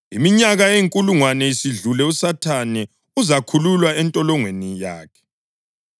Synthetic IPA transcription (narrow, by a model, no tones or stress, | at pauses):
imiɲaɣaeŋkʼuluŋwanɛisiɮulɛusatʰanɛ | uzakʰululwaɛntʼɔlɔŋwenijaːkʰɛ̥